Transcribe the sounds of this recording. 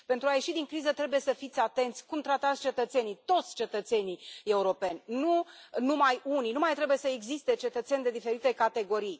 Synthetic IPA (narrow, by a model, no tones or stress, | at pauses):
pe̞nt̪ɾuaje̞ʃid̪iŋkɾizət̪ɾe̞buje̞səfit̪sʲat̪e̞nt̪sʲkumt̪ɾat̪at̪sʲt͡ʃe̞t̪ət̪se̞nit̪o̞t̪sʲt͡ʃe̞t̪ət̪se̞nie̞uɾo̞pe̞nʲnunumajuninumajt̪ɾe̞buje̞səeɡzist̪e̞t͡ʃe̞t̪ət̪sʲend̪e̞d̪ifeɾit̪e̞kat̪e̞ɡo̞ɾij